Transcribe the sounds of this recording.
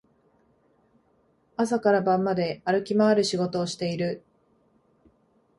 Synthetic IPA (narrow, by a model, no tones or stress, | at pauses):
asakaɾabãmːad̪e̞aɾɯ̟kʲimaːɾɯ̟ɕiɡo̞t̪o̞ːɕi̥t̪e̞iɾɯ̟